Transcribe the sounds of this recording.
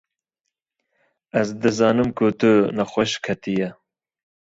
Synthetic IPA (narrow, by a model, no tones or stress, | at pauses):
ɛzd̪ɨzɑːnɨmkʰut̪ɨnɐxʷɐʃkʰɐt̪ijɛ